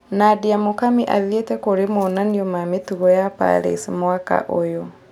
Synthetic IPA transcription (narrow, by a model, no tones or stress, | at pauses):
nadiamokamiʔaðjetɛkoɾemɔnaniɔmametuɣɔjapa̰ɾḛsmwaka̰ʔojɔ